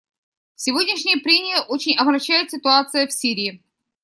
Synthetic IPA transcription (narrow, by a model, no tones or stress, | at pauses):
fsʲɪvo̞dʲnʲɪʂnʲɪjəpɾʲenʲɪjəʔot͡ɕɪnʲɐbɾɐɕːæjɪt̪sʲɪt̪ʊat̪sɨjəfsʲiɾʲɪː